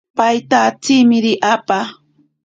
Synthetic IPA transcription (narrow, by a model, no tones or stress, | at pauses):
pajt̪at͡sɪmɪɾɪʔapa